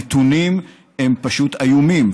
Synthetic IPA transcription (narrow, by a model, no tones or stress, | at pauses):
et̪unim | empaʃut̪ajumim